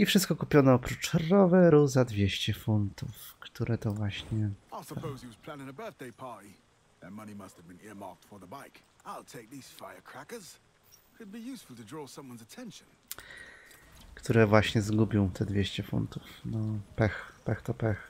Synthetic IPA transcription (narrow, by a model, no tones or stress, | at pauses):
ifʂɘst̪̚kɔkupʲjɔnɔɔpɾut͡ʂrɔvɛɾuzad̪vʲjeɕt͡ɕɛfunt̪uf | kt̪uɾʔɛt̪ɔvwaɕɲɛaɪsəpʰoʊz̥iwʌz̥pʰl̥æ̃nɪ̃ŋəbɜ˞θd̥eɪpʰai | ə̃mʌñimʌsthəvbɨ̃nɪɹmɑ̰ɹk̚tfə˞ðəbaɪk | aɪlˠtʰeɪk̚ðiz̥faɪə˞kʰɹ̥ækə˞z̥ | kʰɨd̚bijʉsfəl̩ˠtɨdɹɔːsʌ̃mwʌ̃nzətʰɛ̃nʃɨ̃n | kt̪uɾɛvwaɕɲɛzɡubʲjɔ̃w̃t̪ʰɛd̪vʲjeɕt͡ɕɛfṵnt̪ufnɔpɛxpɛxt̪ɔpɛx